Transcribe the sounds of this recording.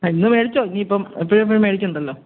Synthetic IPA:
ainːɨmeɻit͡ɕːoːiniːpːomipːoɻup̬ːɐɻumeɽik̬ʲːund̪ɐlːoː

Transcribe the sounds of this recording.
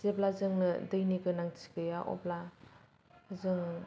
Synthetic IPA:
z̥eplazɯŋnɯdɯjnikɯnaŋt͡ʃi̥kɯjaʔɔ̰pla | zɯŋ

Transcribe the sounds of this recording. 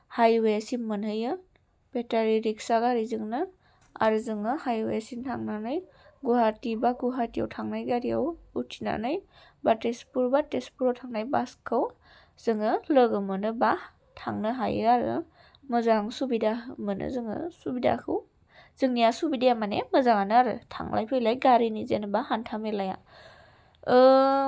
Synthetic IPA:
hajwajasimɯnhɯjɯ | b̥etaɾiɾiksaɡaɾizɯŋnɯ | a̰ɾɯzɯŋɯhajwa̰jasintʰaŋnanɯj | ɡuɦatibaɡuɦatija̰wtʰaŋnajɡaɾijawutʰina̰nɯj | batespuɾbatespuɾotʰaŋnajbaskʰɯw | z̥ɯŋɯlɯɡɯmɯnɯba | tʰa̰ŋnɯɦaj̰aɾɯ̰ | mɯzaŋsubidamɯnɯ̰zɯŋɯ̰subida̰kʰɯw | z̥ɯŋnijasubidajamanemɯzaŋanɯaɾɯ̰tʰa̰ŋlʔa̰jpʰɯjlajɡaɾinizenɯbahantʰamelaja̰ | ɯ

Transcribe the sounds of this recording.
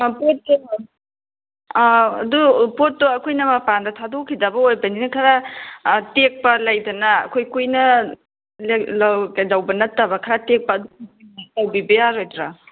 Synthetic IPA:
pot̚ki | ɐ̰dupot̚ːoɐkʰojnɐmɐpandɐtʰadokʰidɐbɐojbɐninɐkʰɐɾa | tek̚pɐlɐjdɐnɐːkʰojkujnɐ | llɐkajdɐwbɐnɐtːɐbɐkʰɐɾatek̚pɐːdukilɐwbibɐjaɾojdɾa

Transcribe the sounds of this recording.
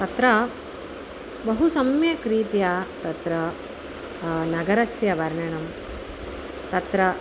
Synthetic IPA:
t̪ɐt̪ɾɐ | bɐɦusɐmjɐkɾiːt̪jat̪ɐt̪ɾɐ | nɐɡɐɾɐsjɐʋɐɾɳɐɳɐm | t̪ɐt̪ɾɐ

